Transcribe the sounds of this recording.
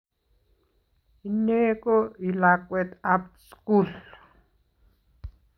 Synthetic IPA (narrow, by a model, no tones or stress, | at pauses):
inekoilakʷʼwet̪ap̚skul